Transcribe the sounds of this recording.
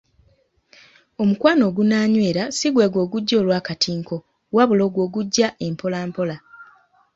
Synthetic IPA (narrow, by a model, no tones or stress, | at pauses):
o̞mukwaːno̞ːɡunaːɲwe̞ːɾasiɡwe̞ːɡwo̞ːɡuɟːo̞ːlwaːkatʰiːŋko̞ | waβulo̞ːɡwo̞ːɡuɟːaʔe̞mpʰo̞laːmpo̞la